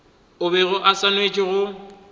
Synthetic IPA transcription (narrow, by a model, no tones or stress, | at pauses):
ʊbɛɣʊʔasanwet͡ʃʼɪɣʊ